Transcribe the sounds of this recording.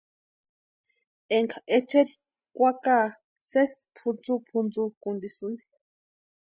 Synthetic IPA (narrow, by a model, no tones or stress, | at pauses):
eŋkʰaʔet͡ʃeɾi | kʷakaː | sespʰund͡zupʰund͡zukund̪isɨni̥